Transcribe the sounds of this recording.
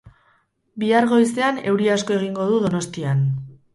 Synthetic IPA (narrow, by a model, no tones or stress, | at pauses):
biaɾɣo̞jse̞ane̞wɾiasko̞e̞ɣ̞iŋɡo̞ðuðo̞no̞st̪ian